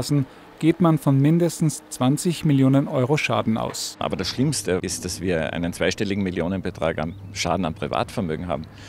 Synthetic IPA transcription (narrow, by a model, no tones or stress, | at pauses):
sn̩ | ɡ̥eːtmanfɔnmɪndəstn̩st͡sv̥ant͡sɪçmɪljoːnənʔɔʏʁoʃa̰ːdn̩a̰ʊsʔa̰ːbɐdasʃlɪmstəɪst̚d̥asv̥iːɐʔa̰ɪnənt͡sv̥aɪʃtɛlɪɡŋ̩mɪljoːnənbətʁ̥a̰ːka̰m | ʃa̰ːdn̩ampʁ̥iva̰ːtfɛɐmø̰ːɡŋ̩ɦa̰ːbm̩